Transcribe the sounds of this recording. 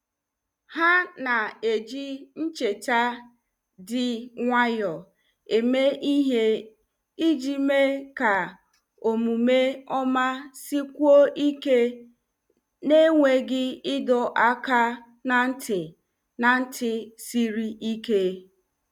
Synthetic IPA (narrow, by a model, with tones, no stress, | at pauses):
ha˦na˨e˨d͡ʒi˦n̩˦t͡ʃe˨t͡ʃa˦ | dɪ˨ŋʷa˦jɔ˨ | e˨me˦i˦ɦe˦ | i˦d͡ʒi˦me˦ka˨ | o˨mu˨me˦ɔ˦ma˦si˦kʷu˦o˦ʔi˦ke˦ | ne˦ŋʷe˨ɡɪ˦ɪ˦dɔ˨ʔa˦ka˦ | na˨n̩˦tʰɪ˨ | na˨n̩˦tʰɪ˨si˦ɾi˦ʔi˦ke˦